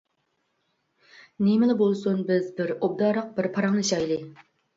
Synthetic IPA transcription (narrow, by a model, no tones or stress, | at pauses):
nemɪlˠɪbolˠsunbɪzbɪɾob̚d̪ɑːɾəq̚bɪɾpʰɑɾɑŋnɨʃɑjlˠɨ